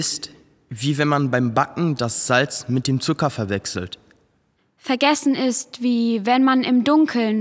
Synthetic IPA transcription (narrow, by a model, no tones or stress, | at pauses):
ɪst | viːvɛnmanbaɪmbakŋ̩dasz̥alt͡smɪt̚d̥eːmt͡sʊkɐfɛɐvɛksl̩t | fɛɐɡɛsn̩ɪstv̥iːvɛnmanɪmdʊŋkʰl̩n